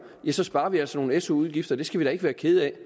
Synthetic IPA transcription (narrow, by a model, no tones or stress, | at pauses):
jæsɒ̽sb̥ɑ̈ːɐʋiæl̰səno̝ːn̩eso̝uð̞ˠɡ̥ifd̥ɐd̥e̝sɡ̥æʋiɾ̥ɑe̝ɡ̥əʋæːɐkʰe̝ð̞̩ˠɛ